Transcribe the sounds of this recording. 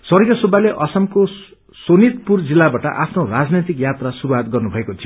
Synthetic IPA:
sʌrɡjʌsobaleʔʌsʌmko | sonit̪purd͡zilːabaʈʌ̰ʔapʰnorad͡znet̪ikjat̪rasuɾuwat̪ɡʌrnubʱʌekot͡sʰi

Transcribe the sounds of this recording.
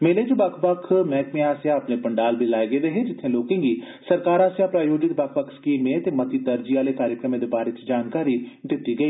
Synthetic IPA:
meːled͡ʒobɐkʰbəkʰmɛːkmẽaːsjãɐpnepɐɳɖaːlbʱilaːeɡeʋeɦed͡ʒɪt̪ʰːẽːloːkɪ̃ŋɡiː | sɐɾkaːɾaːsjãpɾaːjoːd͡ʒɪt̪bɐkʰʋəkʰskiːmːẽt̪emɐt̪it̪əɾd͡ʒiʋaːlekaːɾjəkɾəmẽd̪ebaːɾet͡ʃd͡ʒaːnkaːɾiɖɪʈ̪ːiɡɐiː

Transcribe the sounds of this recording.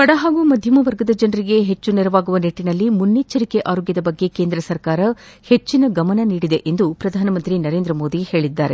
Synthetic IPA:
kɐɽɐɦaːɡumɐd̪ʱjɐmɐʋɐɾɡɐd̪ɐd͡ʒɐnɐɾiɡe̞ɦet͡ʃːuneɾɐʋaːɡuʋɐneʈːinɐlːimunːet͡ʃːɐɾikeʔaːɾoɡjɐd̪ɐbɐɡːe̞keːnd̪ɾɐsɐɾkaːɾɐhe̞t͡ʃːinɐɡɐmɐnɐniːɽid̪e̞ʔend̪upɾɐd̪ʱaːnɐmɐnt̪ɾinɐɾe̞ːnd̪ɾɐmo̞ːd̪iheːɭid̪ːaːɾe̞

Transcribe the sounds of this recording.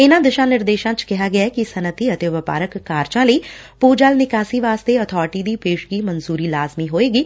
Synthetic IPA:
ɪnãːd̪ɪʃãːnɪɾd̪eːʃãːt͡ʃkɪɦaːɡɪaːɛːkɪsənət̪iːət̪eːʋəpa̰ːɾəkːaːɾt͡ʃãːləiːpuːd͡ʒaːlnɪkaːsiːʋaːst̪eːət̪ʰɔːɾʈiːd̪iːpeːʃɡiːmənzuːɾiːlaːzmiːɦoːeːɡiː

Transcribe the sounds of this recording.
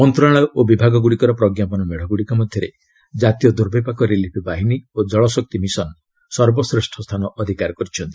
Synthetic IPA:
mɔnt̪ɾaɭɔʔobibʱaɡɔɡuɽikɔɾɔpɾɔɡjapɔnɔmeɽ̤ɔɡuɽikɔmɔd̪ʱjɔɾḛ | d͡ʒat̪ijɔd̪uɾbepakɔɾelipʰbaɦiniod͡ʒɔɭɔsɔk̚t̪imisɔn | sɔɾbɔsɾesʈʰɔst̪ʰanɔʔɔd̪ʱikaɾɔkɔɾit͡ʃʰɔnt̪i̥

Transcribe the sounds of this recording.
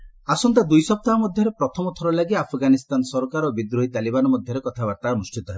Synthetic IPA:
asɔnt̪ad̪ujsɔp̚t̪aɦamɔd̪ʱjɔɾepɾɔt̪ʰɔmɔt̪ʰɔɾɔlaɡiapʰɡanist̪anɔsɔɾɔkaɾɔbid̪ɾoɦit̪alibanɔmɔd̪ʱjɔɾekɔt̪ʰabaɾt̪anusʈit̪ɔɦebɔ

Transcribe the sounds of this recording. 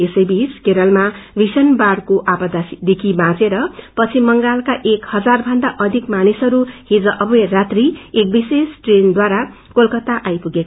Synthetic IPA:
esʌjbiskeɾʌlmabisʌnbaɽkoʔapʌd̪asid̪ekʰibãt͡seɾʌpʌt͡sʰimʌŋɡalkaʔekhʌd͡zarbʱʌnd̪aʔʌd̪ʱikmanisʌɾuhid͡zʌʔʌbʌerat̪riek̚bisesʈrend̪waɾa | kolkʌt̪aʔajpuɡek

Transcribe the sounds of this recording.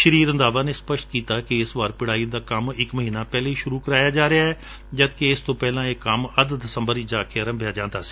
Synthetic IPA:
ʃəɾiːɾə̃nd̪aːʋaːneːspəʃt̪̚kiːt̪aːkɪɪsʋaːɾpɪɽaːiːd̪aːkəmɪkməɦiːnaːpɛːleːiːʃʊɾuːkəɾaːjaːd͡ʒaːɾeaːɦɛː | d͡ʒəd̪keɪst̪õːpɛːlãːeːkːəməd̪d̪əsəmbəɾiːd͡ʒaːkʰeːəɾəmbʱɪjaːd͡ʒãːnd̪aːsi̥ː

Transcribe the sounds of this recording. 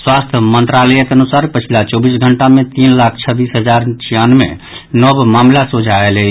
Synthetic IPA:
swast̪ʰmənt̪ɾalɛjet̪ənusaɾpət͡ʃʰilat͡ʃɔbisɡʱəɳʈamẽt̪inlak̚ʰt͡ʃʰəbisɦəd͡ʒaɾt͡ʃʰijanmḛ | nɔbmamlasod͡ʒʱaelɛ

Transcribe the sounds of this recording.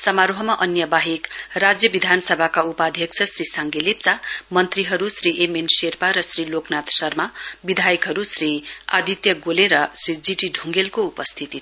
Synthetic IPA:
sʌmaɾoɦʌmaʔʌnjʌbaɦikrad͡zjʌbid̪ʱanʌsʌbʱakaupad̪ʱjʌksʰʌsrisaŋɡelep̚t͡samʌnt̪riɦʌɾusriʔemenserpaɾʌsriloknat̪sʌrmabid̪ʱajikɦʌɾusria̰d̪ʱit̪jʌɡoleɾʌsrid͡ziʈiɖʱũŋɡelkoupʌst̪ʰit̪i

